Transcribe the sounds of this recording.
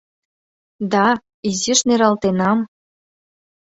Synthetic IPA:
d̪ɑ | iziʃneɾɑlt̪enɑm

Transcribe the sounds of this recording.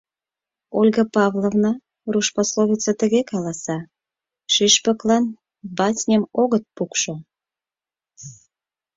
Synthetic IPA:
olʲɣəpɑvlovnɑ | ruʃpɑsloβʲit͡sət̪ə̆ɣekɑlɑsɑ | ʃiʃpəklɑn | bɑtʲnʲəmoɣət̪̚pukʃo

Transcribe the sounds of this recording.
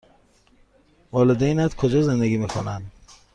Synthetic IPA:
vɔled̪enat̪kʰod͡ʒɔzend̪æɡimekʰonand̪

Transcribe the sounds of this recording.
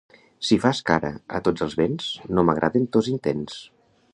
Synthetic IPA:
sifaska̰ɾə̰ə̰t̪od͡zəlˠzβenznoməɣ̞ɾʔa̰ðent̪ozint̪ens

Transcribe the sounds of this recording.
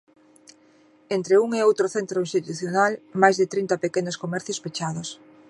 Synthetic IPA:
ent̪ɾeuŋeowt̪ɾoθent̪ɾoinst̪it̪uθjonalmajzðɪt̪ɾint̪ɐpekenoskomɛɾθjospet͡ʃaðos

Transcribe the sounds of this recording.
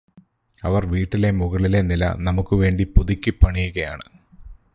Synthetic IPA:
ɐʋɐrʋiːʈːile̞muɣɐɭile̞nilɐ̰nɐmukːɨʋe̞ːɳɖipuðikʲːɨpːɐɳijuɣɐja̰ːɳɨ̰

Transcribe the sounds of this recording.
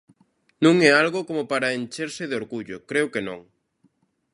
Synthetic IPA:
nũŋɛalɣokomopaɾaent͡ʃeɾsɪðɪoɾɣuʎʊkɾewkenõ̰ŋ

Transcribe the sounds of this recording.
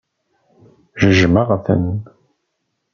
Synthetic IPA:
ʒəʒməʁfə̰n

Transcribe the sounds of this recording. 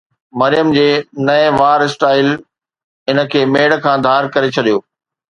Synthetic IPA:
mɐɾɪjəmd͡ʑeːnɐeʋaːɾɪsʈaːɪl | ɪnə̆kʰeːmeːɽ̆kʰãːd̪ʱaːɾkɐɾet͡ɕʰɐɗijoː

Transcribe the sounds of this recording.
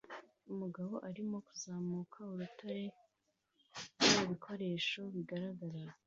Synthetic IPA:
umuɡaβo̞ʔaɾimo̞kuzaːmuːkʰauɾutʰaɾe̞ | uβikʰo̞ɾe̞ːʃo̞βiɡaɾaɡaɾa

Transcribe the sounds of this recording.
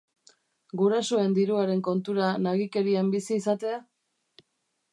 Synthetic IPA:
ɡuɾasoe̞nd̪iɾuaɾe̞ŋko̞nt̪uɾanaɣike̞ɾiambisiːsat̪ea

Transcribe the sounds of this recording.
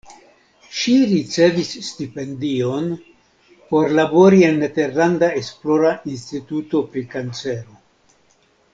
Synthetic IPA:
ʃiɾit͡se̞visːtipe̞ndio̞n | po̞ɾlabo̞ɾie̞nːe̞te̞ɾlandaesplo̞ɾaʔinstituto̞pɾikant͡se̞ɾo

